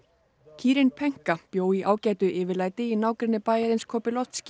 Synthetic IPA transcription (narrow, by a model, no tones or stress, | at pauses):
cʰiːɾɪnpʰɛŋ̥kapjoːwiʔaːwcaːjt̪ʏʔɪːvɪɾlaːjt̪ɪinaːwkɾɪnːɪpaːjɛɾɪnskʰɔːpɪlɔt̪scɪ̥